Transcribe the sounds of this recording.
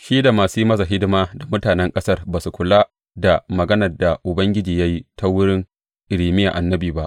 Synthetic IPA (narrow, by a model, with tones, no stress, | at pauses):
ʃiː˦da˨maː˨suː˦mɐ˦za˨ɦɪ˦dɪ˦maː˦da˨mʊ˦taː˨nɛ˦ŋkʼɐ˦sɐ˦rbaː˨su˨kʷʊ˨laː˦ | da˨mɐ˨ɡɐ˦nɐ˨rda˨ʔʊ˨bɐ˦ŋɡʲɪ˦d͡ʒiː˨ja˦ji˦ta˦wʊ˦ɽɪ˦ŋ | ʔɪ˨ɽiː˨mɪ˦ja̰˨ʔa˨nːɐ˦biː˨ba˦ʔ